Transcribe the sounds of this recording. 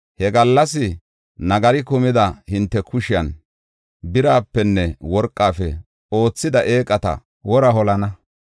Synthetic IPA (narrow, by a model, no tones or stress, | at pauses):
hɛɡɐlːɐsɪ | nɐɡɐɾɪkʊmɪd̪ɐhɪnt̪ːɛkʊʃɪjɐn | bɪɾaːpːɛnːɛwɔɾkʼːaːfɛ̰ | o̞ːt͡sːɪd̪ɐʔeːkʼːɐt̪ɐ̰ | wɔɾɐɦɔlɐnɐ